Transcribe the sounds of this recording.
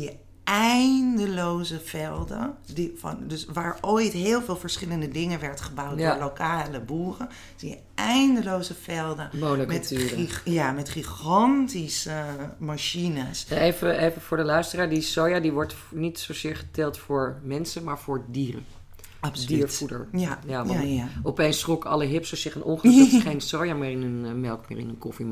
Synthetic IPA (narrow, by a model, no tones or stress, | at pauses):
zijə | ɛjndəlowzəv̥ɛlˠdəndifndɵsʋaːɹojtɦɪːlˠvɪːlˠvəɹsχɪləndədɪŋənʋɛɹtχəbawt̚alowkaːləbuːrən | sijə | ɛjndəlowzəvɛlˠdəmonəmɛttyːjaːmɛtχiχɑntisəmaʃinəsejvəejvəfʊːɹdəlœɥstəraːɹdisowjadiʋɔɹt | nitsowzɪːɹχə̥tɛlˠtfʊːɹmɛnsəmaːɹfʊːɹdiːrə̰ | pdiːɹfudə̰ɹjaʋɔpejnsrokəɑləɦɪpsəsɪχənʔɔŋχəɛχejnsowjamɪːrɪnənmɛlˠkmɪ̰ːɹɪ̰nənkɔfim